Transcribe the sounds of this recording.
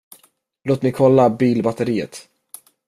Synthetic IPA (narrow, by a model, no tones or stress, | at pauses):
loːt̪mɛjkʰɔlːabiːlbat̪əɾiːə̰t̪